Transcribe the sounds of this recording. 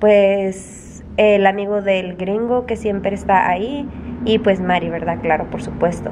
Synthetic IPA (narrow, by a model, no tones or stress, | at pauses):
pwes | elamiɣoðelɡɾiŋɡokesjempɾeːst̪aʔaiːpwesmaɾjiβeɾðaklaɾopoɾsupwe̞st̪o